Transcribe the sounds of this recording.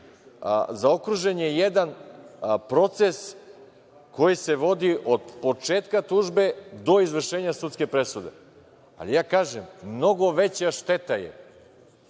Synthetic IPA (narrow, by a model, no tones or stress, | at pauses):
zao̞kɾuʒenjejed̪an | pɾo̞t̪se̞s | ko̞jise̞ʋo̞d̪iʔo̞d̪po̞t͡ʃeːt̪kat̪uːʒbe̞d̪o̞izʋr̩ʃeːɲasut̪ske̞pɾe̞sud̪e̞̰ | a̰lijaːkaːʒemːno̞ɡo̞ʋe̞t͡ɕaʃt̪e̞t̪ajḛ